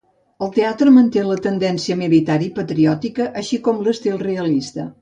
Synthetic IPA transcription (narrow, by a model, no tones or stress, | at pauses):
əlˠt̪eat̪ɾəmənt̪elət̪ənd̪ɛnsiəmilit̪aɾipət̪ɾiɔt̪ikəʔəʃikɔmləst̪ilˠreəlist̪ə̰